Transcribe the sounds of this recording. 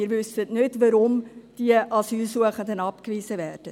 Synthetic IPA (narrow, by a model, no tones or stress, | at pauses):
ɪɾʋʏsətnʏtʋɑɾʊmd̥iəʔɑsyːlsuəχəndənɑpkviːsəvɛːrd̥ə